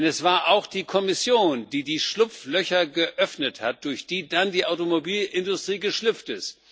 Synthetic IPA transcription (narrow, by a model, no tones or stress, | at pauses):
ɛnɛsv̥aːɐʔaʊxd̥iːkʰɔmɪsjoːndiːdiːʃlʊpp͡flœçɐɡəʔœfnəthat̚d̥ʊɐçd̥iːdandiːʔaʊtomobiːlʔɪndʊstʁ̥iːɡəʃlʏpp͡ftɪst